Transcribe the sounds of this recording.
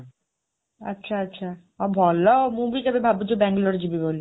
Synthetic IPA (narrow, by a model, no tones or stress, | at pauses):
a̰tːɕʰaatːɕʰa | ɔbʱɔlomubikɛbebʱabud͡ʑobɛŋɡloɾd͡ʑibiboli